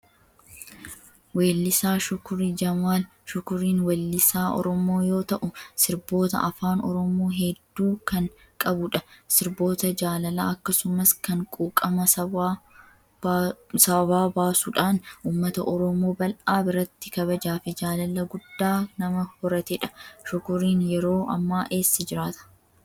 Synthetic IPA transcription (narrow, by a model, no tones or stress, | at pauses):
weːlːɪsaːʃʊkʊɾid͡ʒɐmwaːl | ʃʊkʊɾiːnwɛlːɪsaːɔ̰ɾɔmo̞ːjo̞ːt̪ɐʔʊsɪɾbo̞ːt̪ɐ̰ʔɐfaːnɔ̰ɾɔmoːɦɛd̪ːuːkɐŋ | kʼɐbʊᶑɐsɪɾbo̞ːt̪ɐd͡ʒaːlɐla̰ːɐkːɐsʊmɐskɐŋkʼuːkʼːɐmɐɐ | sɐbaːbaːsʊᶑaːnuːmːɐt̪ɐʔɔɾɔmo̞ːbɐlʔaːbɪɾɐt̪ːɪkɐβɐd͡ʒaːfɪd͡ʒaːlɐlɐɡʊd̪ːaːnɐmɐhɔɾɐt̪ɪᶑɐ̥ʃʊkʊɾiːnjɛɾo̞ːʔɐ̰mːaːʔe̞ːsːɪd͡ʒɪɾaːt̪ɐ̥